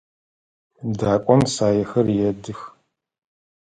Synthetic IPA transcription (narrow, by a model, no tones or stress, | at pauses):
daːkʷʼɔmsaːjɛxɐrjɛdɨx